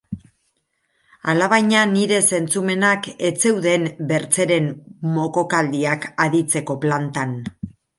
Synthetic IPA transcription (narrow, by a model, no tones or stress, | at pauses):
alaβ̞ajɲaniɾe̞se̞nt͡sume̞nake̞t͡se̞wðe̞mbe̞ɾt͡se̞ɾe̞mmo̞ko̞kald̪iakaðit͡se̞ko̞plant̪an